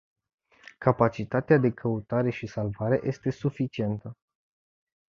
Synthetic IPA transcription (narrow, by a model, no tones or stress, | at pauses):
kapat͡ʃit̪at̪ead̪e̞kʰəut̪aɾe̞ʃisalvaɾe̞̰ʔjʔe̞st̪e̞sufit͡ʃie̞nt̪ə